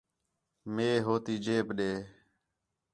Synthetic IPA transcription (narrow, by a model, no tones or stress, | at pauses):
meːɦoːt̪iːd͡ʒeːpɗeː